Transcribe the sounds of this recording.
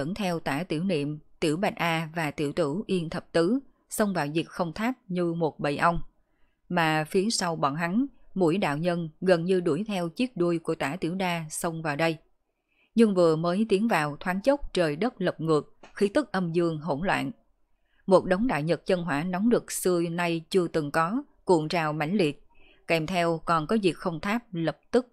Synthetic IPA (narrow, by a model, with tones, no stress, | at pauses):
ə̰˧˥˩nt̪ʰɛ˧wt̪aː˧˩t̪i˧˩əwnḭ˧˨əmt̪ḭ˧˩əwɓa˨˩t̚ʔaː˧vaː˨˩t̪ḭ˧˩əwt̪ɨ˧˩ʔi˧ənt̪ʰə˨˩p̚t̪ɨ˨˦ | sə˧wŋ͡mvaː˨˩wzi˨˩k̚xə˧wŋ͡mt̪ʰaː˦˥t̚ɲɨ˧mo˨˩t̚ɓə̰˧˨jʔa˧wŋ͡m | maː˨˩fi˨˦əsa˧wɓɔ̰˧˩nɦa˨˦ŋmṵ˧˥jɗa̰ː˧˨wɲə˧nɣə˨˩nɲɨ˧ɗu˧˩əjt̪ʰɛ˧wt͡ɕi˦˥ək̚ɗu˧əjku˧˩ət̪aː˧˩t̪ḭ˧˩əwɗaː˧sə˧wŋ͡mvaː˨˩wɗə˧j | ɲɨ˧ŋvɨ˨˩əməː˨˦jt̪i˨˦ənvaː˨˩wt̪ʰwaː˨˦nt͡ɕə˦˥k͡p̚t͡ɕəː˨˩jɗə˦˥p̚lə˨˩p̚ŋɨ˨˩ək̚xi˨˦t̪ʰɨ˦˥k̚ʔə˧mzɨ˧əŋɦo˧˩nlwa̰ː˧˨n | mo˨˩t̚ɗə˨˦wŋ͡mɗa̰ː˧˨jɲə˨˩t̚t͡ɕə˧nɦwaː˧˩nɔ˨˦ŋ͡mɗɨ˨˩ək̚sɨ˧əna˧jt͡ɕɨ˧ət̪ɨ˨˩ŋkɔ˨˦ | kṵ˧˨əŋt͡ɕaː˨˩wma̰˧˩jŋ̟li˨˩ət̚ | kɛ˧˩mt̪ʰɛ˧wkɔ˨˩nkɔ˨˦vi˨˩ək̚xə˧wŋ͡mt̪ʰaː˦˥p̚lə˨˩p̚t̪ɨ˦˥k̚